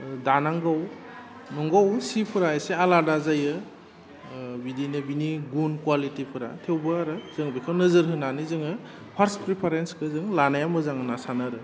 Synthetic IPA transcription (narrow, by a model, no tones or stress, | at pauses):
danaŋɡaw | nuŋɡawsipʰɯɾaesealadazajɯ | bidinɯbiniɡunkwalitipʰɯɾa̰tʰewbɯaɾɯz̥ɯŋbikʰawnɯzɯɾɦɯnanizɯŋɯ | pʰaɾspɾipʰaɾenskʰɯzɯŋlanajamɯzaŋɯnasanaɾɯ